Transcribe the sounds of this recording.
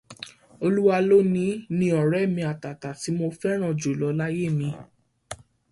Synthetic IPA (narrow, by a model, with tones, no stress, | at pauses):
o˧lu˦wa˧lo˦nĩ˦nĩ˧˦ɔ˨ɾɛ˨˦˨mĩ˧a˨ta˨ta˨ti˨˦mo˧fɛ˦ɾ̃ã˦˨d͡ʒo˨lɔ˨˦la˦je˦˨mĩ˧